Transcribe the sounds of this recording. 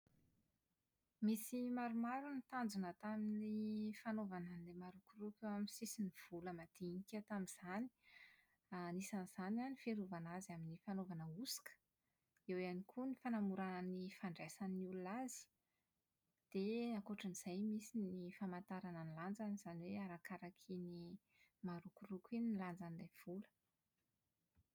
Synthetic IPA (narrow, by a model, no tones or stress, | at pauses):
misimaɾumaɾunit̪and͡zunət̪aminifanovanəlemaɾuɡurupamisisiniv̥uləmad̪̥inikat̪amiz̥ani̥ | anisanz̥ananifeɾuvanazaminifanovanəusi̥kə̥ | ewanikʰunifanamuɾanənifaɳɖ͡ʐasanniulunazi̥ | d̪̥eakoʈ͡ʂəniz̥ajmisinifamant̪aɾanəniland͡zanz̥aniweaɾakaɾakʰini | maɾukurukʲiniland͡zanilav̥ulə̥